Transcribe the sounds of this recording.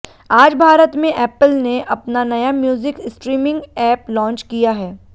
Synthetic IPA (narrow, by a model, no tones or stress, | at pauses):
aːd͡ʒbʱaːɾət̪mẽʔɛːpəlneʔɐpnanɐjamjuːzɪkɪsʈɾiːmɪ̃ŋɡɛːplɔ̃ːnt͡ʃkijaɦɛː